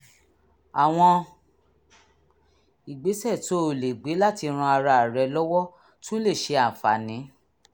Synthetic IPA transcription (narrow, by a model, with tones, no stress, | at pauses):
a˨w̃ɔ̃˧ | i˨ɡ͡be˨˦sɛ˦˨to˨˦o˨le˨ɡ͡be˨˦la˦ti˧ɾ̃ũ˧a˧ɾa˧˨ɾɛ˧lɔ˦wɔ˦ | tũ˦le˦˨ʃe˧ã˨fa˨nĩ˨˦